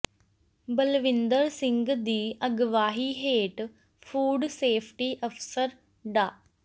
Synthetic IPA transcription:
bəlʋɪnd̪əɾsɪŋɡd̪iːəɡʋaːɦiːɦeːʈ | fʰuːɖseːpʰʈiːʔəfsəɾ | ɖaː

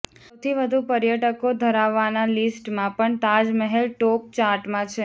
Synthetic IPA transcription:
əwt̪ʰiʋəd̪ʱupəɾjəʈəkod̪ʱəɾaʋːanalisʈmãpəɳt̪ad͡ʒməɦelʈop̚t͡ʃaɾʈmãt͡ʃʰe

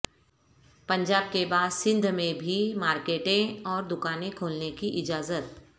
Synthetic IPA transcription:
pɐ̃ɲd͡ʒaːb̚kebaːd̪sɪ̃nd̪ʱmẽbʱimaːɾkeːʈẽɔːɾd̪ʊkaːnẽkʰoːlnekiʔɪd͡ʒaːzət̪

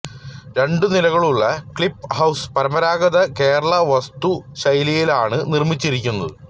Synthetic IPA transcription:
ɾe̞ɳɖɨnilɐɣɐɭuɭːɐkɭipːhɐwspɐɾɐmɐɾaːɡɐðɐke̞ːɾɐɭɐʋɐst̪uɕɐjlijilaːɳɨnirmit͡ɕːiɾik̬ʲːunːɐðɨ

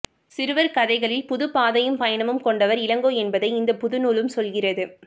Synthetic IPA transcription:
sɪɾɯʋɐɾkɐðɐɪɣɐɭɪlpʊðɯpaːðɐjɯmpɐjɐnɐmɯmkɔɳɖɐʋɐɾɪlɐŋɡoːɛnbɐðɐɪɪnd̪ɐpʊðɯnuːlɯmsɔlɣɪrɐðɯ

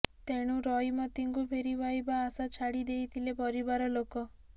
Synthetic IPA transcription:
t̪eɽ̃ũɾɔjmɔt̪iŋkupʰeɾibajbaːsat͡ʃʰaɽid̪ejt̪ʰilepɔɾibaɾɔlokɔ

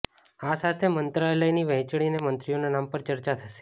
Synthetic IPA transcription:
asat̪ʰemənt̪ɾaelajniʋə̃ɦt͡ʃɭinemənt̪ɾionanampəɾt͡ʃəɾt͡ʃat̪ʰəʃe̥

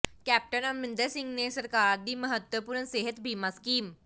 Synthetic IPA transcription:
kæp̚ʈənamːind̪əsiŋɡnesəɾkaːɾd̪iːməɦət̪ʋəpuːɾnəseɦət̪bʱiːmaskiːm

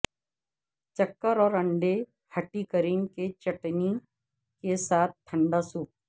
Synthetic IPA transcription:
t͡ʃɐkːəɾɔːɾɐ̃ɳɖe | hɐʈikəɾiːnket͡ʃɐʈni | kesaːt̪̚ʰt̪ʰːɐ̃ɳɖasuːp̚

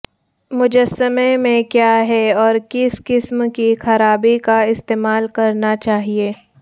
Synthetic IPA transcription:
mʊd͡ʒəsːəmemẽkjaːɦɛɔːɾkɪskɪsmkixɐɾaːbikaɪst̪eːmaːlkɐɾnat͡ʃaːɦieː

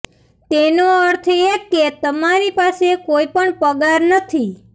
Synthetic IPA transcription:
t̪enoəɾt̪ʰeket̪əmaɾipasekoipəɳpəɡaɾnət̪ʰi

